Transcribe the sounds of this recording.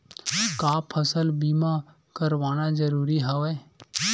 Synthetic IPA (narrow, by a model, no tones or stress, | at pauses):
kaːpʰəsəlbiːma | kəɾʋaːnazəɾuːɾiɦɛʋɛː